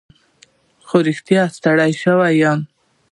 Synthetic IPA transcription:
xoɾɪxt̪jɑast̪aɽajʃəwajɑn

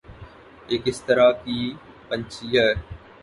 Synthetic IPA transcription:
eːkɪst̪əɾaːkiː | pɐ̃ɲt͡ʃʰijə

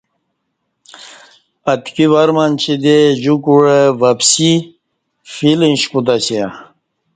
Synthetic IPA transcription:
ɐt̪kiʋaɾmant͡ɕʰid̪ed͡ʑukuɻeʋɐpsi | filinɕput̪aɕia

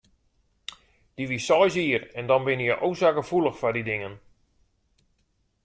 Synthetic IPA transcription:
d̥iʋisɔjsiərɛndɔnbɪnəjəʔowsaɡəfulˠəxfadidɪŋən

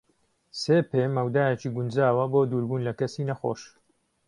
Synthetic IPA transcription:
seːpeːmɐwd̪aːjet͡ʃiːɡund͡ʒaːwɐboːd̪uːɾbuːnlɐkɐsiːnɐxo̰ːʃ

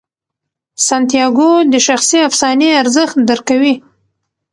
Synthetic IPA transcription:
sant̪ijɑɡod̪əʃaxsiafsɑneaɾzəxt̪̚d̪əɾkawi

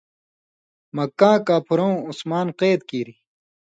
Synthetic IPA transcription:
mɐkːãːkaːpʰuɾõũusmaːnqeːd̪̚kiːɾi

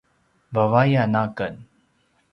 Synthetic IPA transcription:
bɐvaːjanaːkən

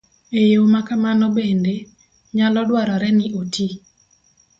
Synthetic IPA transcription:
ejomakamanobende | ɲalɔdwaɾɔɾɛnɪʔoti

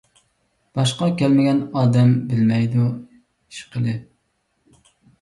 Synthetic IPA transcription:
b̥ɑʃqɑkʲɛlmɪɡʲɛnɑːd̪ɛmbɪlmɛjd̪u | iʃqʰəlˠɨ

